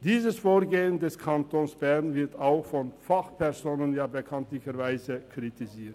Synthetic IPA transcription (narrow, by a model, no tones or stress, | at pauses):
d̥iːzəsfoːɐɡeːəndɛskʰantʰoːnsb̥ɛɐnvɪɐtaʊxfɔnfaχpʰɛɐzoːnənjaːbəkʰantlɪçəɾvaɪzəkʁ̥itiziːɐt